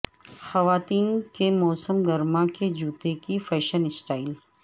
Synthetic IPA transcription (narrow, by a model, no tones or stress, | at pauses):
xɐʋaːt̪iːnkemɔːsəmɡɐɾmãked͡ʒuːt̪ekifɛːʃənɪsʈaːɪl